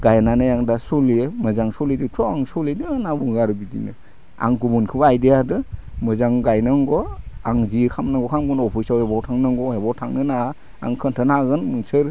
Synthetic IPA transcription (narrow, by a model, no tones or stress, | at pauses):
ɡajnanajaŋdasɔliemɯzaŋsɔliditʰɔaŋsɔledianabuŋɡaɾɯbidinɯ̰ | a̰ŋɡubunkʰɯbaajdejadɯmɯzaŋɡajnɯŋɡɔaŋzikʰamnaŋɡɔkʰamɡɯnɔpʰisawhebɔwtʰaŋnɯŋɡɔhebɔwtʰaŋnɯna̰ː | ŋkʰɯntʰɯnaɡɯnmuŋsɯɾ